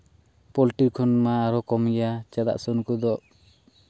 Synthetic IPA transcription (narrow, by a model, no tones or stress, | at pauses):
pɔlʈiɾkʰɔnmaːɾɔkɔmɡɛjat͡ʃad̪a̰ʔsɔnkɔd̪ɔʔ